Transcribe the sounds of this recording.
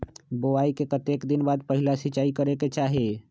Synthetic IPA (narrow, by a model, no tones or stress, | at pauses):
boʋaikekət̪eːkd̪ɪnbaːd̪̚pəɦɪlasɪt͡ʃaːikəɾeket͡ʃaːɦe